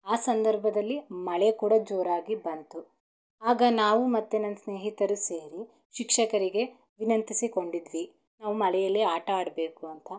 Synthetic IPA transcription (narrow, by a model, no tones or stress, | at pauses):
aːsɐnd̪ɐɾbʱɐd̪ɐlːimɐɭekuːɽɐd͡ʒoːɾaːɡibɐnt̪u | aːɡɐnaːʋumɐt̪ːenɐnːsne̞ːɦit̪ɐɾuse̞ːɾi | ʃikʂɐkɐɾiɡe̞ | ʋinɐnt̪isiko̞ɳɖid̪ʋi | naːʋumɐɭɛjɐlːiaːʈɐaːɽɐbe̞ːkuɐnt̪ʰɐ